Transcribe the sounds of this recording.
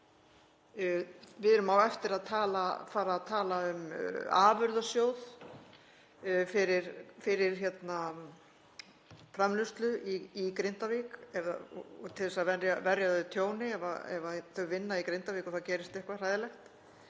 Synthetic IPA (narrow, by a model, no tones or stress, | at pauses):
vɪðɛɾʏmawɛft̪ɪɾaðt̪ʰaːlafaːɾaːðt̪ʰaːlaʏma̰ːvʏɾðasjoːwð | fɪɾɪɾ̥fɪɾɪɾ̥çɛt̪na | fɾamlʏst̪lʏiikɾɪnt̪avɪːkɛvða̰ɔt̪ʰɪlɛsaðvɛɾjavɛɾjaðʏt̪ʰjoːwnɪɛva̰ɛ̰vaθœɣvɪnːaikɾent̪aviːkɔθawcɛːɾɪst̪ɛhkvar̥aːjðɪlɛxt̪